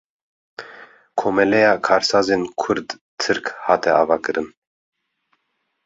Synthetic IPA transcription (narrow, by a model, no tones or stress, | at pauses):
kʰomɛlɛjɑːkʰɑːɾsɑːzenkʰʊɾd̪ | t̪ʰɨɾkhɑːt̪ɛɑːvɑːkɨɾɨn